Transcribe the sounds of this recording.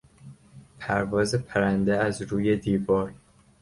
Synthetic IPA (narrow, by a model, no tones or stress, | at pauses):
pʰæɾvɒːzepʰæɾænd̪eæzɾuːje̞d̪iːvɒːɾ